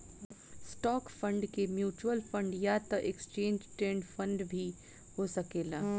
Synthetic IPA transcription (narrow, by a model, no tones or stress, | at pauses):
sʈɔːkfə̃ɳɖkemjuːt͡ʃuwəlfə̃ɳɖjaːt̪ɐʔekst͡ʃẽːɲd͡ʒʈɾẽːɳɖfʰə̃ɳɖbʱi | hosɐkeːlaː